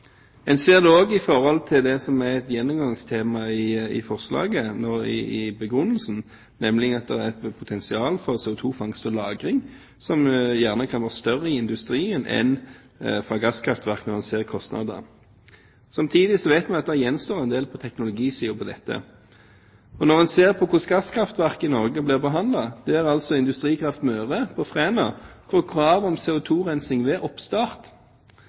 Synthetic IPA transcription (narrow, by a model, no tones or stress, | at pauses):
ɛnseːʁd̪ʉoːɡɪfɔʁhɔlt̪ʰɪld̪ɛsɔmæʁɛt̪jɛnːʊmɡɑŋst̪ʰeːmɑɪɪ̰fɔʁslɑ̰ːɡənoːɪ̰ɪbəɡʁʉnːəlsn̩ | nɛmlɪɡɑt̪̚d̪ɛæɛt̪pʰʊt̪ʰɛnsɪɑːlfɔʁseːʊt̪ʰuːfɑŋst̪ɔlɑːɡʁɪŋ | sɔmjæʁnəkʰɑnʋæːʁəst̪œʁəɪɪnd̪ʉst̪ɾiːənʔɛ̰n | fʁɑɡɑskʰɾɑft̪ʋæʁknɔʁɛnseːʁkʰɔst̪nʔɑ̰d̪ə | sɑmt̪ʰiːd̪ɪsɔʋɛɪt̪mɛnɑt̪̚d̪æjɛnst̪oːʁɛnd̪eːlpʰɔt̪ʰɛknʊlʊɡiːsiːʊpʰɔd̪ɛt̪ːə̰ | ɔnɔʁmɛnseːʁpʰɔkʰʊʂɡɑskʰʁɾɑft̪ʋæʁkɪnɔʁɡəblɪːʁbəɦɑnd̪lɑd̪̥ɛæʁɑlsɔɪnd̪ʉst̪ʁiːkʰʁɑft̪møːʁəpʰɔfʁeːnɑfʰɔkʰʁɑːʋɔmsɛːʊt̪ʰuːʁɛnsɪŋʋɛʔɔpst̪ɑːʁt̪